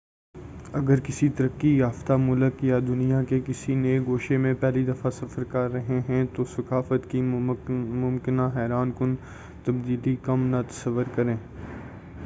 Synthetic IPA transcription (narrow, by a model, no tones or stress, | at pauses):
ɐɡəɾkɪsit̪ɐɾəkːijaːft̪amʊləkːijad̪ʊnijakekɪsineːɡoːʃemẽpɛːlid̪ɐfasɐfəɾkɐɾːɐɦẽɦɛ̃t̪osɐkaːfət̪ki | mʊmkɪnaɦɛːɾaːnkʊn | t̪ɐbd̪iːlikɐmnat̪ɐ̥səʋːəɾkɐɾẽː